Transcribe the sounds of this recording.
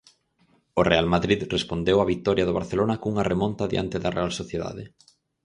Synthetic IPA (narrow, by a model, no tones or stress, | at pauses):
orealmaðɾiðrespond̪ewɐβit̪ɔɾjɐðʊβaɾθelonɐkuŋɐremɔ̃nt̪aðḭa̰nt̪eðɐrḛalsoθjeða̰ðɪ